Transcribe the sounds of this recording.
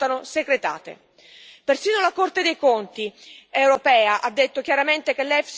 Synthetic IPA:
t̪anosekɾet̪a̰ːt̪ḛ | persiːnolakort̪ed̪ejkont̪iewɾopɛːaʔad̪ːet̪ːok̟jaɾament̪ek̟elːɛfs

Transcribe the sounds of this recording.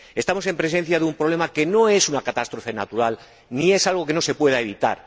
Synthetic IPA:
e̞st̪amo̞se̞mpɾe̞s̬e̞n̟θjaðeumpɾo̞β̞le̞make̞no̞e̞sunakat̪ast̪ɾo̞fe̞na̰t̪uɾal | nie̞salɣ̞o̞ke̞no̞se̞pwe̞ð̞ae̞βit̪a̰ɾ

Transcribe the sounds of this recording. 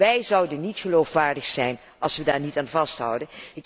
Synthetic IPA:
ɛjzʌwdənːitχəlowfʋaːɹdəχsɛjn | ɑlˠsʋədaːɹnitaːnvɑstɦʌ̰wdənɪk

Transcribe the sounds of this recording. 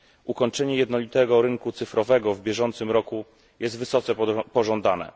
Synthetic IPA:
ʔukɔɲt͡ʂɛɲɛjɛd̪nɔlʲit̪ɛɡɔɾɘŋkut̪sɘfɾɔvɛɡɔvbʲjɛʐɔnt̪sɘmɾɔku | jʔɛst̪vɘsɔt̪sɛpɔʐɔnd̪anɛ̰

